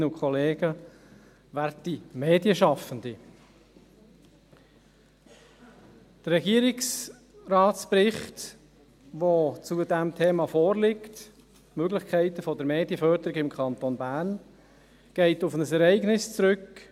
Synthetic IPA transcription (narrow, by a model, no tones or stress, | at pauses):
nəʊkʰχɔleːɡ̥ə | ʋæɾtimeːdjəʃɑfənd̪i | d̥əɾːɛɡiːəɾɪks | rɑːtt͡spɾɪχt | ʋot͡sudɛmtʰeːmɑfɔːɾlɪkt | møɡlɪχkʰæɪtəfɔdəɾmeːd̥iəfœɾdəɾɪɡɪmkʰɑntonbæːɾn | ɡ̥ɛɪtʊfnəsɛɾɛɪɡnɪst͡sɾʏk